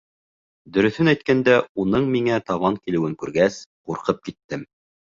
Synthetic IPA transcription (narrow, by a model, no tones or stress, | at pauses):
d̪ɵ̆ɾɵ̆θɵnæjt̪̚kænd̪æunɤɴmiŋæt̪ɑβɑŋkilɘ̆wɘŋkʉɾɡæsquɾqɤp̚kit̪ːɘm